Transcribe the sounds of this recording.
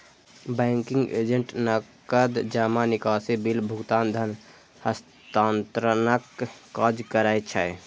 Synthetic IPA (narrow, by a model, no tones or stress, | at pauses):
bɛŋkiŋɡḛd͡ʒeɳʈnəkkəd̪d͡ʒamanikasebilbʱukt̪aːnd̪ʱən | həs | t̪ant̪ɾənəkː | əd͡ʒkəɾajt͡ʃʰə̰